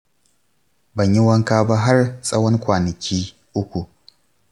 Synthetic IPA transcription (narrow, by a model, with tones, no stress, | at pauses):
bɐ˨ɲji˦wɐ˦ŋkaː˦ba˦ɦa˦rsʼɐ˦wɔ˦ŋkʷaː˨nɐ˨kʲiː˦ | ʔʊ˦kʷu˨